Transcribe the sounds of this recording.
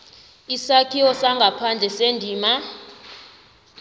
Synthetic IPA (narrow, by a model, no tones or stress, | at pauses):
isakʰiwɔsaŋɡʱapʰand͡ɮʱɛsendʱiːma